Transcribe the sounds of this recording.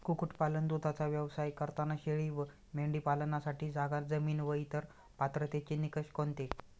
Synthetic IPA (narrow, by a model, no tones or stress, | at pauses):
kukuʈpalənd̪ut̪at͡saʋjəʋsajkəɾt̪anaɕeɭiːʋ | meɳɖiːpalənasaʈiːd͡zaɡad͡zəmiːnʋəit̪əɾ | pat̪ɾət̪et͡ɕinikəɕkont̪e